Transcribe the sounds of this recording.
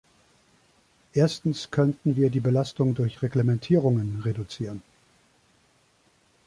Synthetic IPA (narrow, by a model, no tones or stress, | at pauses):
ʔeːɐstn̩skʰœntn̩viːɐdiːbəlastʊŋdʊɐçʁeɡlemɛntʰiːʁʊŋənʁedut͡siːʁən